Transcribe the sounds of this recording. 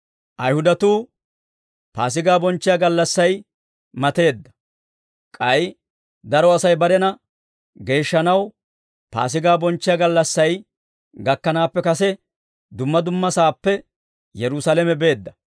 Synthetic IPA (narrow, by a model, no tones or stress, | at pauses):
ʔɐjhʊd̪ɐt̪uː | paːs̬ɪɡaːbɔnt͡ʃːɪjaɡɐlːɐsːɐj | mɐt̪e̞ːd̪ːɐ̥ | kʼɐj | d̪ɐɾɔɐsɐjbɐɾɛnɐ | ɡe̞ːʃːɐnɐw | pa̰ːs̬ɪɡaːbɔnt͡ʃːɪjaɡɐlːɐsːɐj | ɡɐkːɐnaːpːɛkɐsɛ | d̪ʊmːɐd̪ʊmːɐsaːpːɛ | jɛɾʊsalɛmɛbe̞ːd̪ːɐ